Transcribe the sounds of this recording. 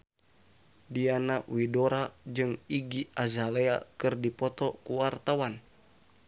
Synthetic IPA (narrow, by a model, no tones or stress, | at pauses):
dianawidoɾad͡ʒɨŋiɡiazalɛakɨrdipɔt̪ɔkuwart̪awan